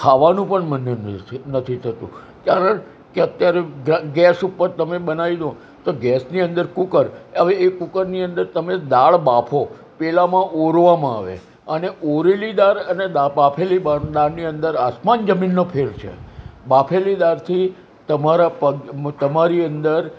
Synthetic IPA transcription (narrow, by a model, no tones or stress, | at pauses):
kʰaʋanũpəɳmənenət̪ʰit̪ʰət̪ṵ̃ | kjaɾəɳ | keət̪jaɾeɡɡɛsupəɾt̪əmebənaid̪o | t̪oɡɛsniə̃nd̪əɾkukəɾəʋeekukəɾniənd̪əɾt̪əmed̪aɭbapʰo | pɛlamãʔoɾʋamãa̰ʋḛ | əneʔoɾelid̪aɾəneabapʰelibad̪aɾniənd̪əɾasmand͡ʒəminːopʰeɾt͡ʃʰḛbapʰelid̪aɾt̪ʰi | t̪əmaɾapət̪əmaɾiənd̪əɾ